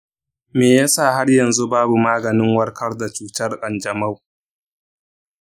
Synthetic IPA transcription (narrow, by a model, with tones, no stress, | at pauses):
meː˨ja˦sa˦˨ha˦rjɐ˨nzu˦baː˦bu˨maː˦ɡɐ˨nɪ˦ŋwɐ˦rkʰɐ˦rda˨t͡ʃuː˦tɐ˦rkʼɐ˨nd͡ʒɐ˨ma˦w